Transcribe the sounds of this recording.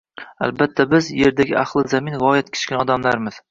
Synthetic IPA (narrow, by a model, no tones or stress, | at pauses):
a̰lbat̪ʰːabɪzje̞ɾd̪aɡʲɪ̰ʔaχlˠɪzamɪnvɒjat̪̚kʲʰɪ̥t͡ʃkʲanɒd̪amlaɾmɪz̥